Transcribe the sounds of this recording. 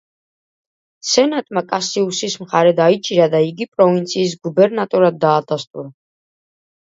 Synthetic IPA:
sɛnat̪ʼmakʼasiusismχaɾɛd̪ait͡ʃʼiɾad̪aiɡipʼɾɔvint̪sʰiːs̬ɡubɛɾnat̪ʼɔɾad̪̚ːaːd̪ast̪ʼuɾa

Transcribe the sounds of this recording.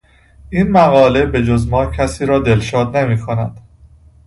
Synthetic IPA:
ʔiːnmæɣɒːle̞be̞d͡ʒozmɒːcʰæsiːɾɒːd̪e̞lʃɒːd̪nemiːkʰonæd̪̥

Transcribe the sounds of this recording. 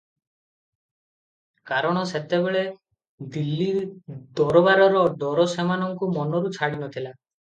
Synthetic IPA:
kaɾɔɽ̃ɔset̪ebeɭe | d̪ilːid̪ɔɾɔbaɾɔɾɔd̪ɔɾɔsemanɔŋkumɔnɔɾut͡ʃʰaɽinɔt̪ʰila

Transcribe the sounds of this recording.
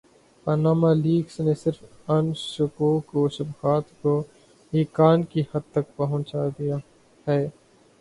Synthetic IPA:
pɐnaːmaliːɡsnesɪɾf | ɐnʃʊkoːkoʃɐbxaːt̪ko | ɦiːkaːnkihɐd̪̚t̪ɐk̚pɐɦʊ̃nt͡ʃaːd̪ijaː | hɛː

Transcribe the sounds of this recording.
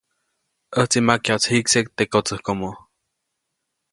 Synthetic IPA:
əht͡simakjat͡shiksek̚t̪ekot͡səhkomo

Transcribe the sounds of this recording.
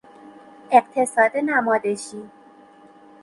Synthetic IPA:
eqt̪ʰesɒːd̪enæmɒːd̪eʃiː

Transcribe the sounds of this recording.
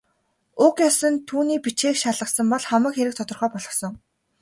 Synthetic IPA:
ʊkjɔsə̆nt̪ʰuːniːpit͡ɕeːkʃaɮə̆sə̆mpɔɮχamə̆kxeɾɘ̆k̚t̪ʰɔt̪ɞ̆rχœːpɔɮɞ̆sɞ̆ŋ

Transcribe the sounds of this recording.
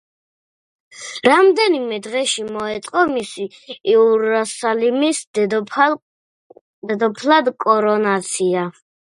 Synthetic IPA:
ɾamd̪ɛnimɛd̪ʁɛʃimɔɛt̪sʼqʼɔmisiːuɾasalimis | d̪ɛd̪ɔpʰlˠad̪kʼɔɾɔnat̪sʰia

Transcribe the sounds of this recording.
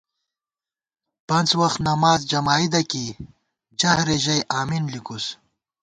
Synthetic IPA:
pɐnzwaxt̪nɐmɑːzd͡ʒɐmɑːid̪ɐki | d͡ʒahɾeʒɐjʔaːminlikus

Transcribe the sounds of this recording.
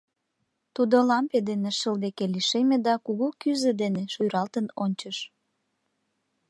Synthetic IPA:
t̪ud̪olɑmped̪eneʃəld̪ekeliʃemed̪ɑkuɣukyzed̪eneʃujɾɑlt̪ənonʲt͡ɕəʃ

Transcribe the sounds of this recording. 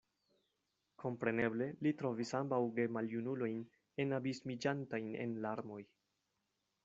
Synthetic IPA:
kʰo̞mpɾe̞ne̞ble̞litɾo̞visambawɡe̞maljunulo̞jn | e̞nabismid͡ʒantajne̞̰nlaɾmo̞j

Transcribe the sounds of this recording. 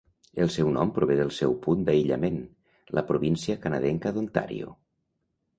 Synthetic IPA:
elˠsɛwnɔmpɾuβeðəlˠsɛwpund̪aiʎə̰men | lʔəpɾuβinsiəkanaðɛŋkəðunt̪a̰ɾḭo̰

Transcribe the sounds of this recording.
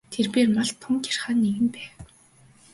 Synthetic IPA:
t̪ʰerpeːrmaɮt̪ʰːʊmkḁr̥χaːnːeɣɘ̆mpæːw

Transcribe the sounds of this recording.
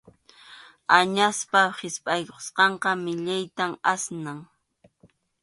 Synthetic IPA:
aɲaspahɪspʼajkoχsqɑɴqɑmɪʎajt̪amasnaŋ

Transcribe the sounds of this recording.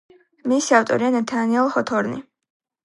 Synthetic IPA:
misiaft̪ʼɔ̰ɾianat̪ʰaniɛlˠχɔt̪ʰɔɾnḭ

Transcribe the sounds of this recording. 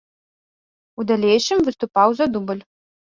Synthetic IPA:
ud̪alʲejʃɨmvɨst̪upawzɐd̪ubəlʲ

